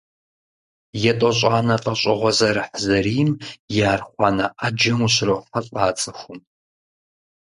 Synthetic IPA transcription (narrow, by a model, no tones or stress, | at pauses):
jɛtʼɔɕʼɑːnɐqʼɐɕʼɐʁʷɔzɐɾɨħzɐriːmjaːrχʷɑːnɐʔad͡ʒɐmuɕrɐfɐɬʼɑːt͡sʼɨxʷʊm